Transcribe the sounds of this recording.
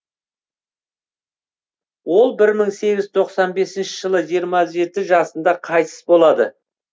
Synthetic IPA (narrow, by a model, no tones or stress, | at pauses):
wo̞lˠbɪɾməɴse̞ɡʲɪzt̪ʰo̞qsɑnbe̞sɪnʃɪ̥ʒ̥əlˠəʒijɾmɑʒe̞t̪ɪʒɑsənd̪ɑqʰɑjt̪ʰə̥sbo̞lˠɑd̪ə